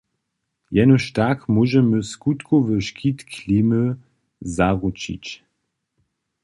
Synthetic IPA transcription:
jɛnɔʃtakmuʒəməskutkovəʃkʰitkʰlimə | zaʁut͡ʃḭt͡ɕ

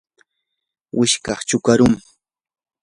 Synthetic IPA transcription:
wʔɪʃkɑχt͡ʃʊkaɾʊŋ

